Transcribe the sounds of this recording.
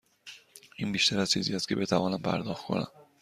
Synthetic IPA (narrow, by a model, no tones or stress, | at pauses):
iːnbiːʃt̪ʰæɾæz̥t͡ʃʰiːziːæst̪̚cʰe̞be̞t̪ʰævɒːnæmpʰæ̰ɾd̪ɒːxt̪kʰo̞̰næ̰m